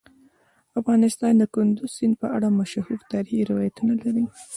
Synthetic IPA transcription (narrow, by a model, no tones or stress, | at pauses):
afɣɑnɪst̪ɑnd̪əkʊnd̪ʊz̥sɪnd̪̚pəʔaɽamaʃahuft̪aɾhiɾɪwɑjat̪unalaɾi